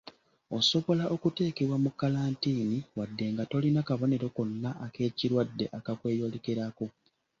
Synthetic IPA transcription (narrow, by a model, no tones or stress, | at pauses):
o̞so̞βo̞laʔo̞kute̞ːkeβwamukːalaːntiːniwadːe̞ŋɡato̞linakaβo̞ne̞ɾo̞ko̞nːaʔːke̞ːciɾwadːe̞̰ʔakakwe̞ːjo̞ːlekeɾako